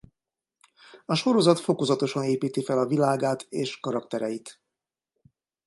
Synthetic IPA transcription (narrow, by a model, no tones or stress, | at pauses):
ɒʃo̞ɾo̞zɒt̪fo̞ko̞zɒt̪o̞ʃɒneːpiːt̪ifɛlɒvilaːɡaːt̪ʰeːʃkɒɾɒkt̪ɛɾɛjit̪